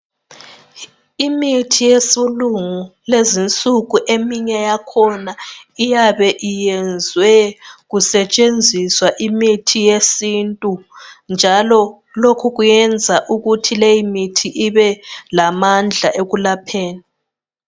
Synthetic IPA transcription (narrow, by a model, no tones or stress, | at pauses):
imitʰijesuluŋulezint͡sʼuɣuʔemiɲɛjakʰɔnaijaβɛʔijɛnd͡zʱwɛɣusɛt͡ʃʼend͡zʱiswaʔimitʰijesintʼund͡ʒʱalɔ | lokʰuɣujɛnd͡zʱaʔuɣutʰilejimitʰiʔiβɛlamand͡ɮʱaʔeɣulapʰeːni